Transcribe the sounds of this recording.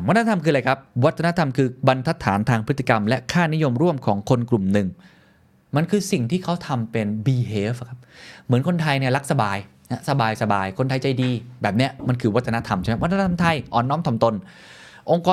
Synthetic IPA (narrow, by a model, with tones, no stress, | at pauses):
a˦˥t̪̚ʰːa˥t̪a˧mkʰɯː˧la˧jkʰa˦˥p̚wa˦˥t̪̚ʰːna˥t̪ʰa˧mkʰɯː˧ba˧nt̪ʰa˦˥t̪ʰːaː˩˦nt̪ʰaː˧ŋpʰɯ˦˥t̪ʰːi˨˩ka˧mlɛ˦˥kʰaː˥˩ni˦˥jo˧mɾu˥˩əmkʰɔː˩˦ŋkʰo˧nklu˨˩mnɯ˨˩ŋ | ma˧nkʰɯː˧si˨˩ŋt̪ʰiː˥˩kʰa˦˥wt̪ʰa˧mpe˧nbiː˧heː˦˥fkʰa˦˥p̚mɯ˩˦nkʰo˧nt̪ʰa˧jni˥˩la˦˥k̚sa˧baː˧j | na˦˥sa˧baː˧jsa˧baː˧jkʰo˧nt̪ʰa˧jt͡ɕa˧jdiː˧bɛː˨˩p̚ni˦˥ɐma˧nkʰɯː˧wa˦˥t̪ʰːa˧na˦˥t̪ʰa˧mt͡ɕa˥˩m˦˥wt̪ʰːa˥t̪ʰa˧mt̪ʰa˧jʔɔː˨˩nːɔː˦˥mt̪ʰɔ˨˩˦mt̪o˧n | ʔo˧ŋkɔː˧